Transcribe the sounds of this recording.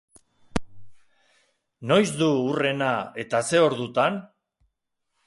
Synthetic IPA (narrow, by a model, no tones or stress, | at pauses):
no̞jzd̪uure̞nae̞t̪ase̞o̞ɾðut̪an